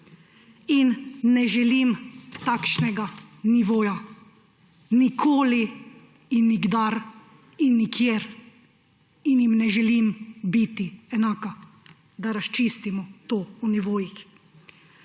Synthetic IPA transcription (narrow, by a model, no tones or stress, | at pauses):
inːɛʒɛlimt̪akʃnɛɡaniʋoːja | nikʰoːli | inːiɡd̪aɾ | inːikʰjeːɾ | injimnɛʒɛlimbit̪iɛnaːka | d̪aɾast͡ʃist̪imɔt̪oːuniʋoːjix